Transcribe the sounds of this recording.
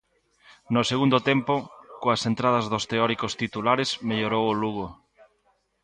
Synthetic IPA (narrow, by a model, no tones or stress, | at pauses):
nʊseɣund̪ʊt̪ɛmpʊkoɐsent̪ɾað̞ɐzðost̪eɔɾikost̪it̪ulaɾesmeʎoɾowoluɣo